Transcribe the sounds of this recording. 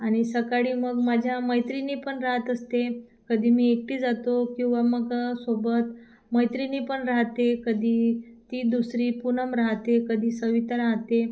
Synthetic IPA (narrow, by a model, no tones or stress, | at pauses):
aɽ̃isəkaɽiːməɡmad͡ʑʱjaməjt̪ɾiniːpəɳɾaɦət̪əst̪e | kəd̪ʱiːmiːek̚ʈiːd͡zat̪okĩw̃ʋaməɡsobət̪ | məjt̪ɾiniːpəɳɾaɦt̪ekəd̪ʱiːt̪iːd̪usɾiːpunəmɾaɦt̪ekəd̪ʱiːsəʋit̪əɾaɦt̪e